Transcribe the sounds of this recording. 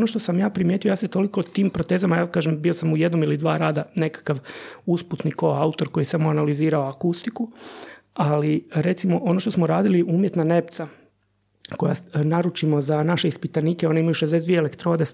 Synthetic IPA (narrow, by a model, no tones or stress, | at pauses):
onoʃt̪osamjaːpɾimje̞t̪ijojaːset̪o̞liko̞t̪iːmpɾot̪e̞ːzamajaːkaːʒembiosamujed̪nomilid̪ʋaːɾaːd̪ane̞kḁkaʋusput̪nikoaut̪o̞ɾko̞jisamoanaliziːɾao̞akust̪iku | aliɾe̞t̪simo̞ʔo̞no̞ʃt̪o̞smoɾaːd̪iliʔuːmjet̪nane̞p̚t̪sa | ko̞ja̰naɾut͡ʃimo̞zanaʃe̞ispit̪anikeo̞neimajuʃezd̪es̬d̪ʋiele̞kt̪ɾo̞d̪e